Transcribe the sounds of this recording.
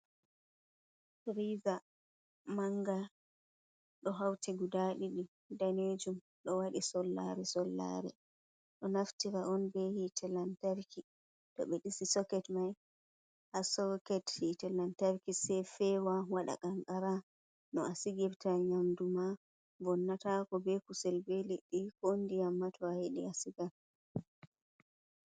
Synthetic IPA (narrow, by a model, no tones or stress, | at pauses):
ɾiza | maŋɡa | ɗɔɦawtiɡudaɗiɗi | daned͡ʒum | ɗɔwaɗisɔlːa̰ɾɛsɔlːa̰ɾɛ̰ | ɗɔnaftiɾaɔnbɛhitʰɛlantaɾki | ɗɔ̰ɓɛɗisisɔkɛtmaj | hasɔkɛthitɛlantaɾkisɛfɛwawaɗa̰kaŋɡaɾa | nɔasiɡɛbtaɲamduma | vɔnːatakɔbɛkusɛlbɛliɗːikondiamːatʰɔahiɗḭasiɡal